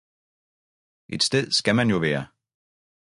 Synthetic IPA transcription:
ʔe̝d̥sd̥eð̞̰ˠsɡ̥æmænjo̝ʋæːɐ

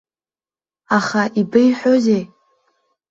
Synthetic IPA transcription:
aχaʔibejħʷᶣozej

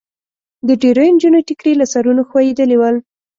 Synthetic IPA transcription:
d̪əɖeɾəjɪnd͡ʒuneʈɪkɾelasaɾunoxwajed̪əlewəl

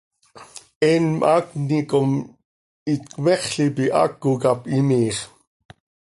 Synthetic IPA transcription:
ʔeːnmʔaːknikom | it̪kweχɬipiʔa̰kːukapʔimiːχ

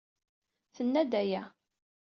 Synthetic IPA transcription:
θənːæd̪æjæ

